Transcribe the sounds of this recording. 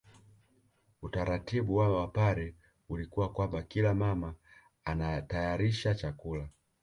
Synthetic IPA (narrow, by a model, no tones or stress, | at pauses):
utaɾatiɓuwawapaɾɛ | ulikuwakwambakilamamaː | natajaɾiʃat͡ʃakula